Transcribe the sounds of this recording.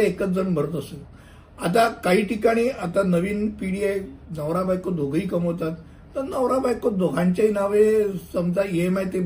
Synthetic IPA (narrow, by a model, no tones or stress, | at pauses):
ekət͡sd͡zənbʱəɾət̪əse | at̪̬akaɦiːʈikaɽ̃iːat̪anəʋiːnpiɽiajnəʋɾabajkod̪ʱoɡʱiːkəmɦot̪at̪ː | əɾnəʋɾabajkod̪ʱoɡʱãɲt͡ɕaɦinaʋesəmd͡zaemajt̪e